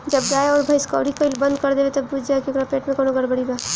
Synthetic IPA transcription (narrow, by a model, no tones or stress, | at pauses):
d͡ʒɐbɡaːeɔːɾbʱajska̰ːɽikaɪlbɐ̃nd̪kɐɾd̪eːbet̪ɐbːud͡ʒd͡ʒaekjõkɾapeːʈmẽkoːnoɡʱɐɽbəɽiba